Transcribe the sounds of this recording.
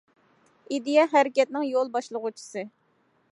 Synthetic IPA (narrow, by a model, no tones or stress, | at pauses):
id̪ijɛɦæɾɪkʲɛt̪̚nɪŋjolˠbɑʃlˠəʁut͡ʃʰi̥sɨ